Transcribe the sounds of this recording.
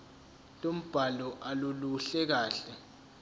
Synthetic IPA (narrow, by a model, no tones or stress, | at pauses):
tʼom̩b̥ʱalɔʔaluluɬɛk̬aːɬɛ